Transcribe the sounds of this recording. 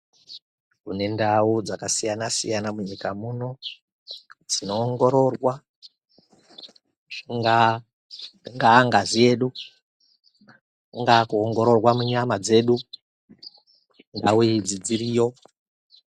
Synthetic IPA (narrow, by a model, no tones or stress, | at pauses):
kune̞ndaud͡zakasijanasḭjanamuɲikamuno̞ | d͡zino̞ːŋɡo̞ɾo̞rwa | ŋɡa | ŋɡaːŋɡazie̞ɗu | ŋɡakuoŋɡo̞ɾo̞rwamuɲamad͡ze̞ːɗu | ndauid͡zid͡ziɾiːjo̞